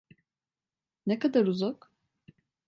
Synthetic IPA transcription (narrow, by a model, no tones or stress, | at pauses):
nekad̪aɾuzak